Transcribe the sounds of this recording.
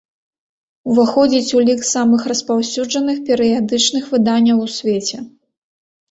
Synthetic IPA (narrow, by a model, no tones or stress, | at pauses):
uvaxɔd͡zʲit͡sʲulʲiksamɨxrɐspawsʲuʐɐnɨxpʲɛɾɨjad̪ɨt͡ʂnɨxvɨd̪anʲːɐwusʲvʲet͡sʲɛ